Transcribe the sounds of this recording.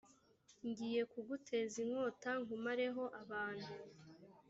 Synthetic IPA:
ɲɟiːje̞kuɡutʰe̞ziŋo̞ːtaŋhumaɾe̞ɦo̞ʔaβaːn̥hu

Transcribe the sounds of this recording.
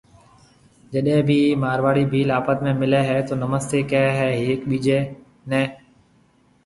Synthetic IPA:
d͡ʒəɗẽːbʱiːmaːɾʋaːɽiːbʱiːlaːpət̪mẽːmɪleːɦɛːt̪oːnəməst̪eːkɛːɦɛːɦeːkɓiːd͡ʒeː | nɛ̃ː

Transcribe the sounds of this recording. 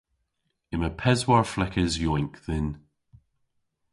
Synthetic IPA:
ɪməpʰɛzwaɹflˠɛkəzjɔŋkðɪn

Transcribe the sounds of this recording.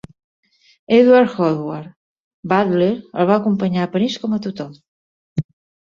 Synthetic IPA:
eðwaɾxɔðwaɾ | bad̪leɾəlˠβaːkumpəɲaəpəɾiskɔmət̪ut̪ɔm

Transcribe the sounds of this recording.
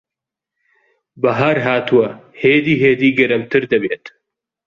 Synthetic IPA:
bɐɦaɾɦaːt̪uwɐheːd̪iːɦeːd̪iːɡɐɾɐmt̪ʰɨɾd̪ɐbeːt̪

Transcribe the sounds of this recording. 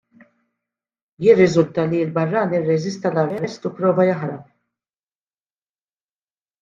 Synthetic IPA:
jɪrːɪzʊlt̪ɐliɪlbɐrːɐːniɪrːɛzɪst̪ɐlɐrɛɾɛst̪upɾɔːvɐjɐħɾɐp

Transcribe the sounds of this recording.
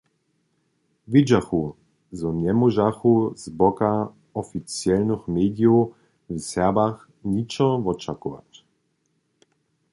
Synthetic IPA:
vid͡ʒaxu | zɔɲɛmɔʒaxuzbɔka | ɔfit͡sjɛlnəxmeːd̪jow | vsɛbax | ɲit͡ʃɔvɔt͡ʃakɔva̰t

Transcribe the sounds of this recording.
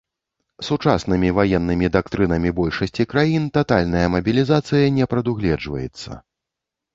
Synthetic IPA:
sut͡ʂasnɨmʲivajɛnːɨmʲid̪akt̪ɾɨnɐmʲibɔlʲʂɐsʲt͡sʲikɾajint̪at̪alʲnɐjɐmɐbʲilʲizat̪sɨjɐnʲɛpɾɐd̪uɣlʲɛd͡ʐvɐ̰jɛ̰t̪sːɐ̰

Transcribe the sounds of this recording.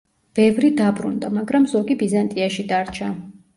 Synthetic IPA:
b̥ɛvɾid̪abɾṵnd̪amaɡɾamzɔɡibizant̪ʼiaʃid̪aɾt͡ʃʰa

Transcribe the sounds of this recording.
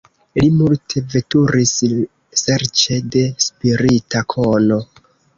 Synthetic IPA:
limultʰe̞ve̞tuɾis | se̞ɾt͡ʃe̞de̞spiɾitakʰono̞

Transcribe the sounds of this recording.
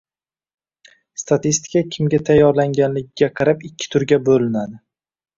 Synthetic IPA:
st̪at̪ist̪ɪ̥kakʲʰɪmɡʲat̪ʰajːɒɾlaŋɡʲanlɪɡʲɪɡʲaqʰɑɾapɪkʲʰːɪ̥t̪ʰʊɾɡʲabolɪnad̪ɪ

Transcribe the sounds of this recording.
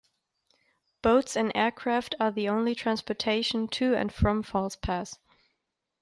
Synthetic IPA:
b̥oʊtsɨ̃nɛɹkʰɹ̥æftə˞ðiõʊ̃nlitʰɹ̥æ̃nspɔtʰeɪʃn̩tʰɨɨ̰̃nfɹʌ̃ɱfɔlˠspʰæs

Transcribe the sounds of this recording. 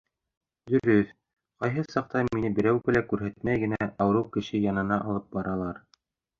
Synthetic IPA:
d̪ɵ̆ɾɵθ | qɑjɦɤsɑq̚t̪ɑminɘbɘ̆ɾæwɡɘlækʉɾɦæt̪mæjɡɘ̆næɑwɤɾɤwkɘ̆ʃɘjɑnɤ̆nɑʔɑlˠɤp̚bɑɾɑlˠɑɾ

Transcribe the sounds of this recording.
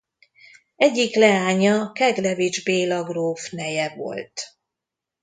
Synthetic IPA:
ɛɟːiklɛaːɲɒkɛɡlɛvid͡ʒbeːlɒɡroːfnɛjɛvo̞̰lt̪

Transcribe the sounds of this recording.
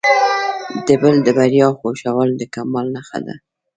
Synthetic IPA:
d̪əbəld̪əbaɾjɑxoʃawəld̪əkamɑlnaxa̰d̪a̰

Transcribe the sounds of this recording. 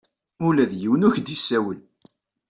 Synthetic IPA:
ulæðjiwənʊçd̪isːæwəl

